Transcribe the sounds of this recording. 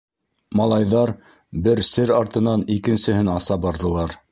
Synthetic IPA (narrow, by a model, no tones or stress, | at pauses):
mɑlˠɑjðɑɾ | bɘɾsɘɾɑɾt̪ɤ̆nɑnikɘ̆nsɘ̆hɘnɑsɑbɑɾðɤ̆lˠɑɾ